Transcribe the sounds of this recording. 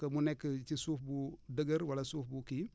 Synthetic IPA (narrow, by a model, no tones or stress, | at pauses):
kɐmunekːət͡ʃisuːfbudəɡɐɾwɐlasuːfbuki